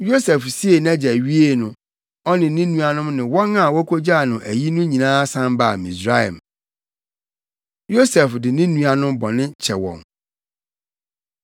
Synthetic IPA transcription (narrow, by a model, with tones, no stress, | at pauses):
jo˦sɛ˨fsi˦e˨næ̃˦d͡ʑɛ˨ɥi˦e˦nʊ̃˨ | ɔ˦nɪ̃˨nĩ˦nũ˦a˨nʊ̃˦mnɪ̃˨wɔ̃˦nã˦˨wɔ˦kʰo˦d͡ʑa˦˨nʊ̃˨ʔæ˨ji˦nʊ̃˦ɲĩ˨nãː˦sã˦mba˨mĩ˨sɾa˦ɛ̰˨m | jo˦sɛ˨fdɪ˨nɪ̃˦nũ˦a˨nʊ̃˦mbɔ˨nɪ̃˦t͡ɕʰɛ˨wɔ̰̃˨n